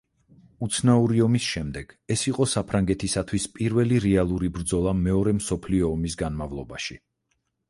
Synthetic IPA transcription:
ut̪sʰnauɾiɔmisʃɛmd̪ɛɡ̥ɛsiqʼɔsapʰɾaŋɡɛt̪ʰisat̪ʰwispʼiɾvɛliɾɛalˠuɾibɾd̪zɔlˠamɛɔɾɛmsɔpʰliɔːmisɡanmavlˠɔbaʃi

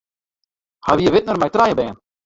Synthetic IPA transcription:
haʋiəʋɪtnərmɛjt̪rajəbɛːən

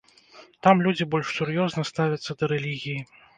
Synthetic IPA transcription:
t̪amlʲud͡zʲibɔlʲʂsʲuɾjɔznɐst̪avʲɐt̪sːɐd̪ɐɾɛlʲiɣʲiji

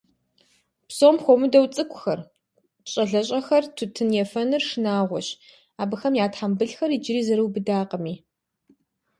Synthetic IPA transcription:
psoːmxʷomɨdɐwt͡sʼɨkʷʰʼʊxɐr | ɕʼɐɮɐɕʼɐxɐrtʰʊtʰɨnjɛfɐnɨrʂɨnaːʁʷɔ̰ɕ | aːbɨxɐmjaːtħambɨɮxɐrid͡ʒɪɾiːzɐɾɨwbɨdaːqəmiː

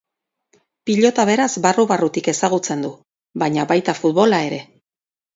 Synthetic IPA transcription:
piʎo̞t̪aβ̞e̞ɾazβaruβarut̪ike̞saɣut͡se̞nd̪u | βaɲaβajt̪afut̪βo̞lae̞ɾe̞

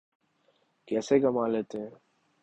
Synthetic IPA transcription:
kɛːseɡɐmaːleːt̪eɦɛ̃ː

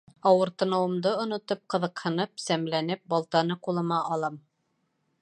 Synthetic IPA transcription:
ɑwɤ̆ɾt̪ɤ̆nɤ̆wɤ̆md̪ɤŏnŏt̪op̚qɤ̆ðɤ̆qhɤ̆nɤpsæmlænɘp̚bɑlˠt̪ɑnɤqulˠɤ̆mɑʔɑlˠɤm

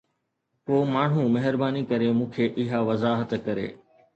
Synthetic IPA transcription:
poːmaːɳ̤̃ũmɐɦɪɾbaːnikɐɾemũːkʰeːʔɪɦaʋɐzaːɦət̪kɐɾḛː

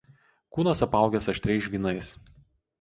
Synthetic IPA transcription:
kuːnɐsɐpɐˑʊɡʲɛsɐʃʲt̪ʲɾʲɛɪʃʲʋʲiːnɐɪs

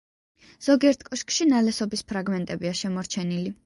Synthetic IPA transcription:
z̥ɔɡiɛɾt̪ʰkʼɔʃkʼʃinalɛsɔbispʰɾaɡmɛnt̪ʼɛbiaʃɛmɔɾt͡ʃʰɛnili

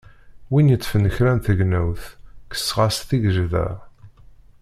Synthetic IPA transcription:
winjət͡sːfənəçɾænθəɡnæwθkə̥sːʁɑsθiɡəʒðæ̰

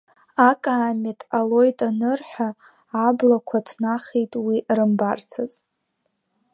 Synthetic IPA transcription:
akʼaːmetʼalo̞jtʼanɨrħʷᶣaː | blakʷʰadʰnaχejtʼwiʔrɨmbart͡sʰaz

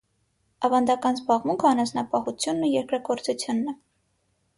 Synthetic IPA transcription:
ɑvɑnd̪ɑkɑnzbɑʁmuŋkʰəɑnɑsnɑpɑhut͡sʰjunːujɛɾkɾɑɡɔɾt͡sut͡sʰjunːɛ

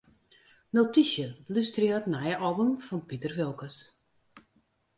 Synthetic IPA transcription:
notisjəlystrɪətnajəʔɔbəmfɔnpitərʋɪlˠkəs

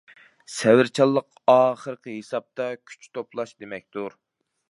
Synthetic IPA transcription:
sɛwɪɾt͡ʃʰɑlˠːəq | ɑːχəɾəqəɦesɑp̚t̪ʰɑkʲʰy̥t͡ʃt̪ʰoplˠɑʃd̪emɛk̚ʲt̪uɾ

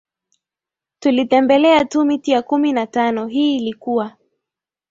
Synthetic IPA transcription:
tulitɛmbɛlɛatumitijakuminatanɔɦiːlikuwa

